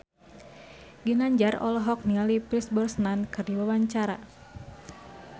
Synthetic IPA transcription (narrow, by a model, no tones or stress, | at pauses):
ɡinaɲd͡ʒarɔ̰lɔɦɔk̚nialipɾisbɔrsnankɨrdiwawaɲt͡ʃaɾa̰